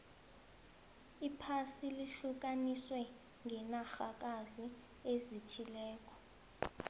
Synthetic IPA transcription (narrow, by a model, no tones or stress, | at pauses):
ipʰasiliɬuk̬aniswɛ | ŋʱɛnaxak̬ʼazi | ezitʰilɛːk̬ʼɔ̥